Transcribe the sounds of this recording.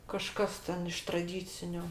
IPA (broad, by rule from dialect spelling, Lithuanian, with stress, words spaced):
kɐˈʃkɐs tʲɛn ɪʃ trɐˈdʲiːt͡sʲɪnʲʊ